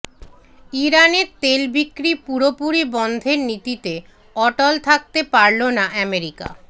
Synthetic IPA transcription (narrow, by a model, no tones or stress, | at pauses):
iɾaneɾt̪elbikːɾipuɾopuɾibɔnd̪ʱeɾnit̪it̪e | ɔʈolt̪ʰak̚t̪epaɾlonaʔɛmeɾika̰